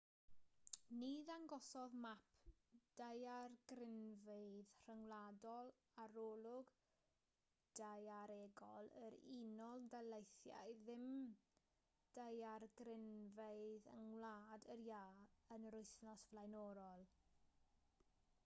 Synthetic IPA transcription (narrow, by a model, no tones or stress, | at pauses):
niðaŋɡɔsɔðmapʰd̥ajarɡrɪnveɨðr̥əŋlˠaːdɔlˠ | aɾoːlˠʊɡ | d̥ajaɾeːɡɔlˠəɾinɔlˠdalejθja̰jðɪm | d̥ajarɡrɪnveɨðə̰ŋwlˠaːdəɾjaːənɾʊjθnɔsvlajnɔɾɔlˠ